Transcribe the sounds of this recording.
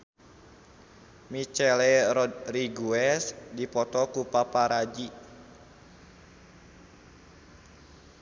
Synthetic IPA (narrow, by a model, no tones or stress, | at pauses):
mit͡ʃɛlɛɾɔd̪riɡuɛsdipɔt̪ɔkupapaɾad͡ʒi